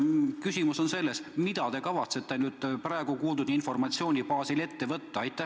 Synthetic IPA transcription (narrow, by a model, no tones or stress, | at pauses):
kysʲimuso̞nse̞lːe̞smid̪̥ɑt̪e̞kɑvɑt̪se̞t̪ːˑe̞nyːd̪̥̚prɑe̞ɡ̥ukuːld̪ud̪̥info̞rmɑt̪sio̞ːnʲipɑːsile̞t̪ːe̞vɤt̪ːɑɑjt̪ːˑæ